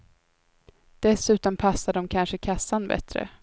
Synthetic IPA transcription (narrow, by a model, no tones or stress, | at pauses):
d̪̥ɛsʉ̟ːt̪ɔmpʰasːaɖɔmkʰanʂəkʰasːanbɛ̰t̪ɾə̰